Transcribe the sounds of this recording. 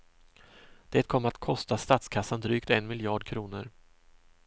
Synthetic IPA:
d̪̥ɛːt̪̚kʰɔmːat̪kʰɔst̪ast̪at̪skʰasːand̪ɾyːkt̪ɛnmɪljɑːɖkʰɾuːnəɾ

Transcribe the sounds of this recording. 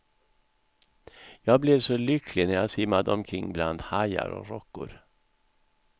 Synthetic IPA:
jɑːɡ̚blɛvsɔlʏkʰlɪnæɾjaːsɪmːad̪əɔmkʰɾɪŋːbland̪haja̰ɾɔ̰ɾɔkːʊ̰ɾ

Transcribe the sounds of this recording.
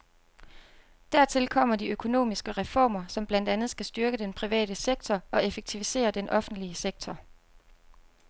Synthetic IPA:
d̥æɐ̰t͡sʰe̝lkʰɒ̽m̰ɐd̥iøkʰo̝no̝̰ːmisɡ̥əʁɛfɒ̰ːmɐsɒ̽mb̥læn̰d̥ænð̞̩ˠsɡ̥æsd̥yɐɡ̥əd̥enpʰʁiʋɛ̰ːɾ̥əseɡ̥̚t͡sʰɒɒ̽e̝feɡ̥̚t͡sʰiʋise̝̰ːɐd̥enʔɒ̽fn̩d̥liəseɡ̥̚t͡sʰɒ

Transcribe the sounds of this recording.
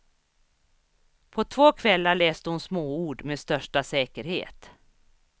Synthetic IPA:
pʰɔt̪ʰvoːkʰvɛlːaɭɛːst̪əhʊnsmoːuːɖmeːdst̪œʂʈasɛːkəɾhḛːt̪

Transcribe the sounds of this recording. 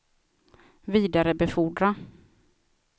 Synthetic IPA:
viːd̪aɾəbɛfuːɖɾa

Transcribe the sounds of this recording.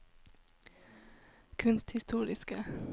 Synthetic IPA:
kʰʉnst̪hɪst̪uːɾɪskə

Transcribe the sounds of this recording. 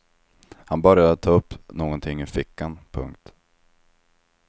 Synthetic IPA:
hanbœɾjad̪ət̪ʰɑːɵpːnoːɡɔnt̪ʰɪŋːɪfɪkːanpʰɵ̰ŋk̚t̪

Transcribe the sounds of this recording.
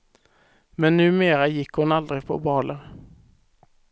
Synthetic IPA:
mɛnːʉ̟ːmeːɾajɪkːhʊnald̪ɾɪpʰɔ̰bɑːləɾ

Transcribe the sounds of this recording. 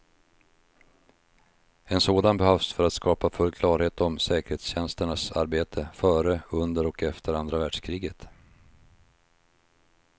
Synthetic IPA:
ɛnsoːd̪anbɛhœfsfœɾat̪skɑːpafɵlːkʰlɑːɾheːt̪ɔmsɛːkəɾheːt̪sɕɛnst̪əɳasa̰ɾbeːt̪ʰəfœːɾəɵnd̪əɾɔkɛft̪ʰəɾand̪ɾavæːɖ̥ʂkʰɾiːɡət̪

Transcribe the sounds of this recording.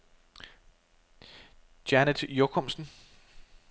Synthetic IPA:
d̥ænəd̥jokʰɔmsn̩

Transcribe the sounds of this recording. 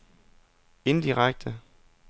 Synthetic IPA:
e̝nd̥iʁaɡ̥̚d̥ə

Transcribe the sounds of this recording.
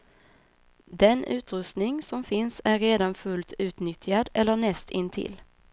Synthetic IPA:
d̪ɛnʉ̟ːt̪ɾɵst̪nɪŋsɔmfɪnsæɾːeːd̪anfɵlt̪ʰʉ̟ːt̪nʏt̪ʰjad̪ɛlːəɳɛst̪ʰɪnt̪ʰɪ̰l

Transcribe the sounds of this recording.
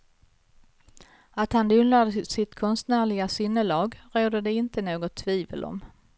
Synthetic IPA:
at̪hand̪ɵnlaːd̪əsɪt̪kʰɔnst̪næːɭɪɡasɪnːəlɑːɡɾoːd̪əd̪ɛɪnt̪ənoːɡɔt̪ʰːviːvə̰lʔɔ̰m

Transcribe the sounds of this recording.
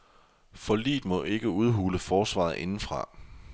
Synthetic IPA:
fɒ̽lḭːd̥mɒ̽ʔe̝ɡ̥əuð̞ˠɦuːləfɒːsʋɑ̰̈ð̩ˠʔe̝nn̩fʁɑ̈

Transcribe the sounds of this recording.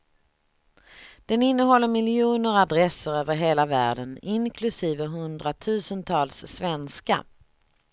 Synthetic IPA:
d̪̥ɛnɪnːəɦɔlːəɾmɪljuːnəɾad̪ɾɛsəɾøːvəɾɦeːlavæːɖənɪnkʰlɵsiːvəɦɵnd̪ɾat̪ʰʉ̟ːsənt̪ʰɑːlsːvɛnska̰

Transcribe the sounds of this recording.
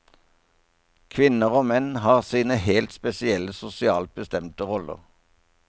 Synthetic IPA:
kʰʋɪnəʁoːmɛnhɑːʁsiːnəhɛːlt̪spɛsɪɛləsʊsɪɑːlt̪̚bəst̪ɛmt̪əʁɔlə̰ʁ

